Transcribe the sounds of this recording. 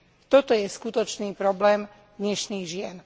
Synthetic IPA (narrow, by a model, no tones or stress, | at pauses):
t̪ɔt̪ɔjɛskut̪ɔt͡ʃniːpɾɔblɛːm | d̪ɲɛʃniːɣʒɪɛn